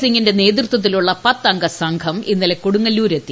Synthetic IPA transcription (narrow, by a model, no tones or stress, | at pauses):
siŋɡinde̞ne̞ːd̪rɨt̪ːwɐt̪̬ːiluɭːɐpɐt̪ːɐŋɡɐsɐŋɡʰʱɐminːɐlekoɽuŋːɐluːɾet̪ːi